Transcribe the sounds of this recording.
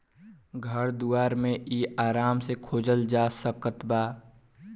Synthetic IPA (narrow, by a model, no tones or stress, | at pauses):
ɡʱəɾd̪uaːɾmẽʔiːaːɾaːmsekʰoːd͡ʒəld͡ʒaːsəkət̪baː